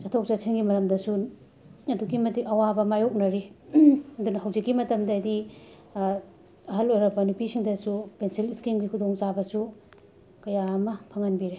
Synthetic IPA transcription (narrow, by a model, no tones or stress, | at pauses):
sɐtʰok̚t͡ʃasʰiŋɡimɐɾɐmdɐsu | ɐduɡimɐtikɐwabɐmajok̚nɐɾi | ɐdunɐhɐwd͡ʒikːimɐtɐmdɐːdi | ɐɦɐlojɾɐbɐnupisiŋdɐsupensiliskimɡikʰudoŋt͡ʃabɐsu | kɐjaɐmɐpʰɐŋɐnbiɾe